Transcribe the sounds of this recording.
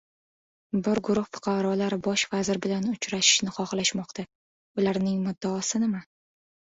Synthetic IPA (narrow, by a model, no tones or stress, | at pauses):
bɪɾɡʊɾʊχfʊ̥qʰɑɾɒlaɾɪbɒʃvazɪɾbɪlanʊt͡ʃɾaʃɪ̥ʃnɪχɒχlaʃmɒqt̪ʰa | ʊlaɾnɪŋmʊd̪ːaːsɪnɪma